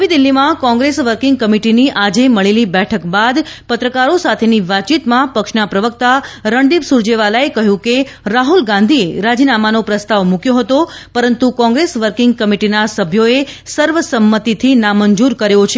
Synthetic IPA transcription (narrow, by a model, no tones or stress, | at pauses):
ɦʋid̪ilːimãkɔ̃ŋɡɾesʋəɾkɪŋɡ̚kəmiʈiniʔad͡ʒeməɭelibɛʈʰəkbad̪pət̪ɾəkaɾosat̪ʰeniʋat͡ʃit̪mãpəkʃnapɾəʋək̚t̪aɾəɳɖibsuɾd͡ʒeʋalaekəɦjũkeɾaɦulɡãnd̪ʱieɾad͡ʒinamanopɾəst̪aʋmũkjoɦət̪opəɾənt̪ukɔ̃ŋɡɾesʋəɾkɪŋɡ̚kəmiʈinasəbʱjoesəɾʋəsəmːət̪it̪ʰinaməɲd͡ʒuɾkəɾjot͡ʃʰe